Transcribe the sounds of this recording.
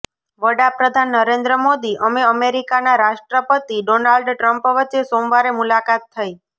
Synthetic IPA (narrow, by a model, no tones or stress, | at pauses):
ʋəɽapɾəd̪ʱanːəɾẽnd̪ɾəmod̪iʔəmeəmeɾikanaɾaʃʈɾəpət̪iɖonalɖʈɾəmpʋətːʃesomʋaɾemulakat̪ʰːəi